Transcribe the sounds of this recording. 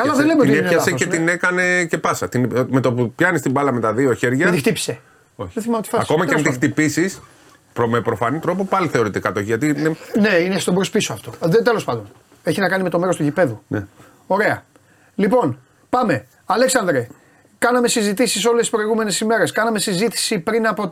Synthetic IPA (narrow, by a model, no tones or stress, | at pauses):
kɐlɐðelemeoit̪ineinɐseeinekɐne̞ce̞pɐsɐt̪inme̞t̪opupçɐnist̪ibɐlɐme̞t̪ɐðioçe̞ɾʝɐeixt̪ipi̥se̞ | oçðeθimɐmet̪i̥fɐɐko̞mɐkeɐnt̪ixt̪ipisis | pomepɾo̞fɐnit̪ɾo̞popɐliθe̞o̞ɾit̪ikɐt̪oçiʝɐt̪iinene̞inest̪obɾospisoɐft̪o̞ðet̪e̞lo̞spɐnd̪on | e̞çinɐkɐnimet̪o̞me̞ɾost̪uʝipe̞ðune | o̞ɾe̞ɐ | lipo̞n | pɐme̞ | ɐleksɐnd̪ɾe | kɐnɐme̞sizit̪isiso̞lesi̥spɾo̞iɣume̞ne̞sime̞ɾe̞skɐnɐme̞sizit̪i̥sipɾinɐpo̞